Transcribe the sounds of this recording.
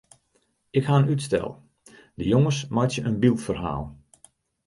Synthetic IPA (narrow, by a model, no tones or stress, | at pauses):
ɪkhaənytstɛ̰lˠ | d̥əjoŋəsmajtsjəʔənbilˠtfərɦa̰ːlˠ